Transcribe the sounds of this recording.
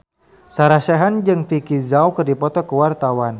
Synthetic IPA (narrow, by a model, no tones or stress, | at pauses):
saɾaʃaɦand͡ʒɨŋfikizawkɨrdipɔt̪ɔkəwart̪awan